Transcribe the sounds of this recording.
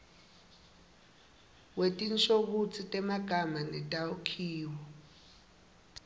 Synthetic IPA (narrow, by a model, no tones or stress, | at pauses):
wetʼint͡ʃʰʼok̬ut͡sʰitʼɛmaɡ̥ʱamanɛtʼaukʰiːwɔ